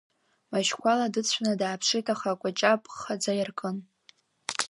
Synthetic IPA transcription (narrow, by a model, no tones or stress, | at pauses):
maʒkʷʰaladɨt͡sʷʰnadaːpʰʂɨtʰaχakʷʼat͡ʃʼapʼχad͡zajarkʼɨn